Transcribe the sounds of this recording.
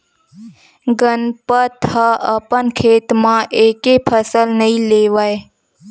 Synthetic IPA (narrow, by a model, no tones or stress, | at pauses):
ɡənpət̪haʔɐpənkʰeːt̪mãʔeːkepʰəsəlnɐĩleːʋae